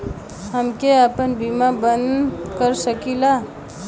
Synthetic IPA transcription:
ɦəmkeəpənbimabənkəɾsəkila

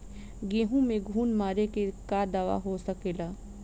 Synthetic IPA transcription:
ɡẽːɦũmẽɡʱuːnmaːɾekekad̪aːʋa̰ɦosəkeːlaː

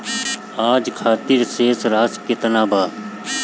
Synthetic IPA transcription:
aːd͡ʒkʰaːt̪ɪɾseːsɾaːsket̪ənaːbʱaː

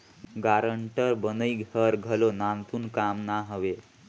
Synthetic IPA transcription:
ɡaɾəɳʈəɾbənəiɡʱɦəɾɡʱəlonant̪uːnkamnaɦəʋe

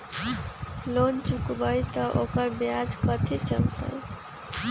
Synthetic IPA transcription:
lont͡ʃukbʌjt̪ʌʔokʌɾbjad͡zkʌt̪ʰit͡ʃʌltʌ̰j

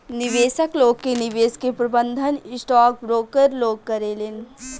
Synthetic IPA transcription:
nɪʋeːsəkloːɡ̚kenɪʋeːskepɾɐbə̃nd̪ʱənɪsʈaːk̚bɾoːɡ̚kəɾloːɡ̚kɐɾelen

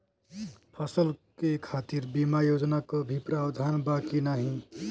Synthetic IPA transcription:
pʰʌsəlkekʰat̪iɾbimajod͡ʒnakobʱipɾabd̪ʱanbakinaɦĩ

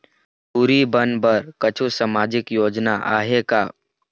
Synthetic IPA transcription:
puːɾibənbəɾkət͡ʃʰusamaːd͡ʒɪkjoːd͡ʒnaʔa̰ːɦekaː

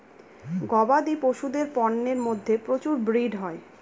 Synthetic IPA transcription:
ɡɔbad̪ipoʃud̪eɾpɔnːeɾmod̪ʱːepɾot͡ɕuɾbɾiɖɦɔe

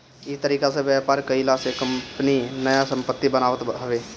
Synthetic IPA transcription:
it̪əɾiːkasẽbjapaɾkəɪlasekəmpninəjasə̃mpət̪ːibənaʋət̪ɦəʋe

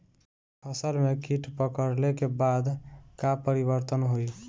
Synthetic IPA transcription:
pʰəsəlmekiʈpəkəɾlekebad̪kapəɾiβəɾt̪ənɦoj

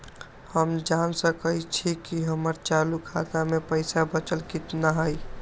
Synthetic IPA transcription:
həmd͡ʒansəkəjt͡ʃʰikiɦəməɾt͡ʃalukʰat̪amepəɪsabət͡ʃəlkɪt̪naɦəj

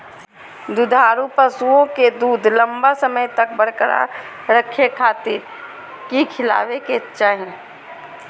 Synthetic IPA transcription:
d̪ʊd̪ʱaːɾupəsuõked̪uːd̪ʱlɐ̃mbasəməjt̪ɐk̚bɐɽkɾa̰ | ɾəkʰjekʰaːt̪ɪɾ | kikʰɪla̰ːʋeket͡ʃaːɦẽ

